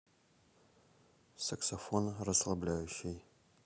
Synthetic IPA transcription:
sɐksofonrɐslˠɐblʲaːjʊʃej

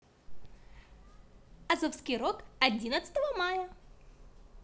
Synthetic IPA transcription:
ɐzofskʲɪjɾokɐdʲinət̪sə̥t̪əvəmajə

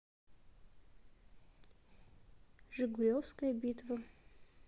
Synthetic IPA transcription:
ʐɨɡʊɾʲofskəjɐbʲit̪və

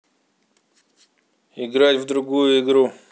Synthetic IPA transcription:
ɪɡɾatʲvd̪ɾʊɡujuɪɡɾu

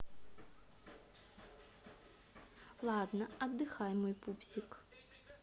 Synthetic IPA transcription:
lˠɑd̪nɐɐd̪ːɪxɑjmɔjpupsʲik

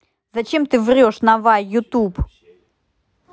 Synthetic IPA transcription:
zɐt͡ɕemt̪ɨvɾʲoʂnɐvajjʊt̪up

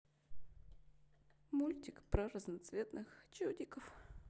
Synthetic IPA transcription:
mulʲtʲɪkpɾəɾəznɐt̪svʲet̪nʔɨxt͡ɕodʲɪkəf

